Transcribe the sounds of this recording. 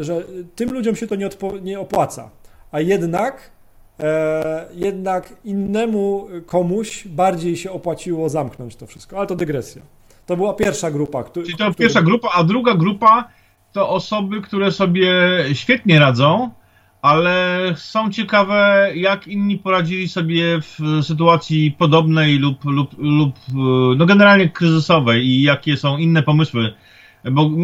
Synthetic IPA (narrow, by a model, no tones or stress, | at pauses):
ʐɛt̪ɘmlud͡ʑɔmɕɛt̪ɔɲɛɔt̪pɔɲɛɔpwat̪sa̰ajɛd̪nak | jɛd̪nakinːɛmukʰɔmuɕbaɾd͡ʑejɕɛɔpwat͡ɕiwɔzamknɔɲt͡ɕt̪ɔfʂɘ̥st̪kɔalɛt̪ɔd̪ɛɡɾɛsʲja̰ | t̪ɔbɘwapʲjɛɾfʂaɡɾupakt̪t̪ɔpʲjɛɾfʂaɡɾupaad̪ɾuɡaɡɾupa | t̪ɔʔɔsɔbɘkt̪uɾɛsɔbʲjɛɕfʲjɛt̪ɲɛɾad̪zɔ̃w̃ | alɛsɔ̃w̃t͡ɕɛkavɛjakinɲːipɔɾad͡ʑilʲisɔbʲjɛfsɘt̪̬uat̪sʲjipɔd̪ɔbnɛjlupluplupnɔɡɛnɛɾalɲɛkɾɘzɘsɔvɛjijakʲɛsɔ̃w̃inːɛpɔmɘswɘ | bɔ